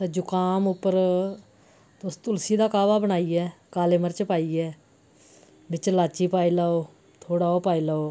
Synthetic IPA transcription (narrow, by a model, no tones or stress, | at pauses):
t̪eːd͡ʒʊkaːmʊpːəɾ | t̪ʊst̪ʊlsiːd̪aːkaːʋaːbəɽ̃aːiːɛːkaːleːməɾt͡ʃpaːiːɛː | bɪt͡ʃlaːt͡ʃiːpaːiːlaːoː | t̪ʰoːɽaːoːpaːiːləoː